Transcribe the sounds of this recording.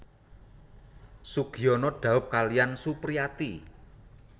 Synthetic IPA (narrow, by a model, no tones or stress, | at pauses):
suɡ̥i̤ɔnɔɖ̥a̤wʊp̚kalijansupɾiat̪i